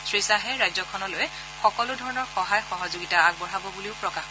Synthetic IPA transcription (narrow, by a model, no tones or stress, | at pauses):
sɹisaɦɛɹajzɔkʰɔnɔloj | xɔkɔlʊdʱɔɹɔnɔɹxɔɦajxɔɦɔzoɡitaaɡ̚bɔɹabɔbuliʊpɹɔkax